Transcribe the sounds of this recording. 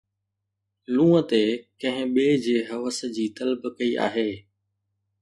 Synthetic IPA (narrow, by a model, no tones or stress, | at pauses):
lũːət̪ekɐ̃ɦɪ̃ɓeːd͡ʑeːɦɐʋəs̆d͡ʑiːt̪ɐlbkɐiʔa̰ːɦeː